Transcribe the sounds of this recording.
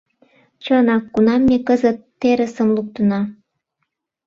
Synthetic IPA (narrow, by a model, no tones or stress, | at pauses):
t͡ɕənɑkːunɑmːekəzət̪ːeɾə̆sə̆mluk̚t̪ə̆nɑ